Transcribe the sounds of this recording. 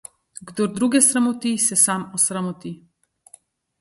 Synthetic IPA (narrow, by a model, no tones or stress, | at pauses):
ɡd̪ɔɾd̪ɾuɡɛsɾamɔt̪isɛsamɔsɾamɔt̪i